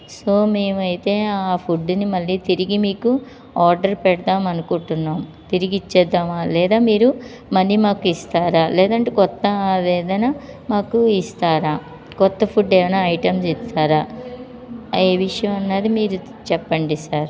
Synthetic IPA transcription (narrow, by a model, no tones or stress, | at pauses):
so̞ːme̞ːmɐjt̪e̞ːaːpʰuɖnimɐlːiːt̪iɾiɡimiːku | aːɾɖɐɾpɛɽɐt̪aːmɐnukuɳʈunːaːm | t̪iɾiɡit͡ʃːɛːd̪ːaːmaːlɛːd̪aːmiːɾu | mɐlːiːmaːkuist̪aːɾaːlɛːd̪ɐɳʈeːkɔt̪ːɐʋɛːd̪ɐnɐmaːkuist̪aːɾaː | kɔt̪ːɐpʰuɖeːʋɐnaɐjʈɐmsist̪ʰaːɾaː | eːʋiʂɐjɐmɐnːɐːd̪imiːɾu | t͡ʃɛpːɐɳɖisaːɾ